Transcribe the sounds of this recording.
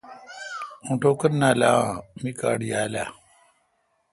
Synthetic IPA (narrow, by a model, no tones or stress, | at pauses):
ũːʈoːkənnaːlaːmika̰ːɽijaːla̰ː